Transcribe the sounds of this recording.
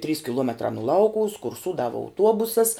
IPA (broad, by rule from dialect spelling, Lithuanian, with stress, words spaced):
tʲrʲiːs kʲɪˈlˠuɔmʲɛtrɑː nʊ ˈlˠɐʊkʊʋʊs kʊrˈsuːdɐʋɐ ɐʊˈtuɔbʊsɐs